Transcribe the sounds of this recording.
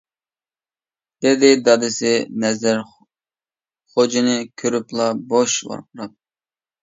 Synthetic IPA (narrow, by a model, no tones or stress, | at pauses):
d̪̥ɪd̪ɪd̪ɑd̪ɪsɪnɛzɪɾ | χod͡ʒinɪkʲʰøɾyplˠɑboʃvɑ̰ɾqʰʊɾɑ